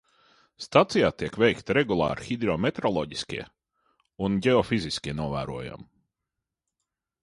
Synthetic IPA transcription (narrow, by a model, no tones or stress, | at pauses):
st̪at̪sijaːt̪iɛkvɛjkt̪aɾɛɡulˠɑ̰ːɾxid̪ɾɔmet̪ɾɔlˠɔɟiskʲḭɛ | unɟɛɔfiziskʲiɛnuɔvæ̰ːɾuɔja̰m